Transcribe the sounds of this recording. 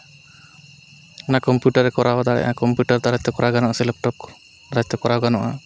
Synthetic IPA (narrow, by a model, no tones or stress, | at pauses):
nakɔmpjuʈaɾɛkɔɾawad̪aɽɛ̰ʔakɔmpjuʈaɾt̪aɾat͡ʃt̪ɔkɔɾaɡanɔʔasilɛp̚ʈɔp̚kɔ̥ | ɾat͡ʃt̪ɛkɔɾawɡanɔʔa̰